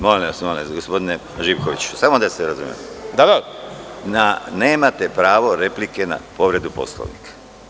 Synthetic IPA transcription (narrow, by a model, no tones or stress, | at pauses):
molilsumaleɡospo̞d̪ine | ʒipkoʋit͡ɕu̥samod̪aseɾazṵmḛd̪ad̪a | nane̞ːmat̪e̞pɾaːʋo̞ɾe̞plike̞na̰po̞ʋɾe̞d̪upo̞̰slo̰ʋnikʰḁ